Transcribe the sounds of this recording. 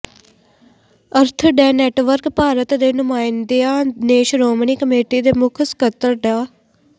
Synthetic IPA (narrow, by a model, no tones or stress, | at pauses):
əɾt̪ʰɖɛːnɛːʈʋəɾkpaːɾət̪d̪eːnʊmaːɪnd̪eaːneːʃɾoːmɳiːkəmeːʈiːd̪eːmʊkʰskət̪əɾɖaː